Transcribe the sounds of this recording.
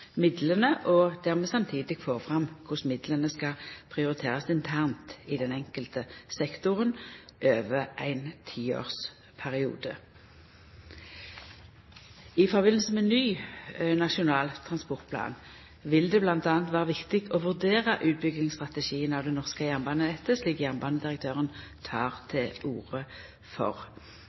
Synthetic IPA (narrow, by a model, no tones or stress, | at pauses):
mɪd̪lənəʔɔd̪̥æːʁmɛsɑmt̪ʰiːd̪ɪɡ̥foːʁfʁɑmkʰʊsmɪd̪lənəskɑpʰʁɪʊʁɪt̪ʰeːʁɑsɪnt̪ʰæʁnt̪ɪd̪ɛnɛŋkəlt̪əsɛkt̪ʊʁənʔøːʋəʔæ̰ɪnt̪ʰiːo̰ːʁs | pʰæʁɪṵːd̪ə | ɪfɔʁbɪnl̩səmɛnnyːnɑʃʊnɑːlt̪ʰʁɑnspɔʁt̪̚pʰlɑ̰ːn | ʋɪld̪ɛblɑnt̪ɑːnt̪ʋæːʁəʋɪkt̪ɪɡoʋʉʁd̪eːʁəʔʉːt̪̚bʏɡnɪŋst̪ʁɑt̪əʃiːənɑʋd̪ɛnɔʁskəjæʁnbɑnəɛt̪ːəsliːkjæʁmbɑnəd̪ɪʁək̚t̪ʰøːʁənt̪ʰɑːʁt̪ʰɛuːʁə | fɔ̰ʁ